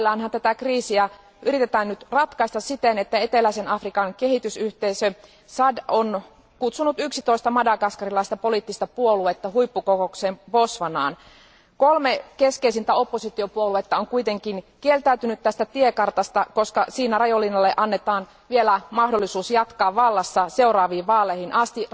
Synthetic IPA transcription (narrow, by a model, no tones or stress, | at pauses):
lːɑːnhɑnt̪æt̪ækriːsiæ | ʔyɾit̪et̪æːnnyt̪rɑt̪kɑist̪ɑssit̪enet̪ːæe̞t̪elæisenɑfrikɑŋke̞hit̪ysyht̪eisø | sɑdon | kut̪sunut̪yksit̪o̞ist̪ɑmɑdɑkɑskɑrilɑist̪ɑpo̞liˑt̪ːist̪ɑpuoluet̪ːɑɦuipːukokokseːmposʋɑnɑ̰ːn | kolmekeskeisint̪æo̞pːosit̪iopuoluet̪ːɑoŋkuit̪eŋkinkielt̪æyt̪ynyt̪t̪æst̪æt̪iekɑrt̪ɑst̪ɑko̞skɑsiːnærɑjolːinːɑlːeʔɑnːet̪ɑːn | ʋielæmɑhdo̞lːisuːsjɑt̪kɑːʋʋɑlːɑsːɑse̞urɑːʋiːʋʋɑːlːˑehinʔɑst̪i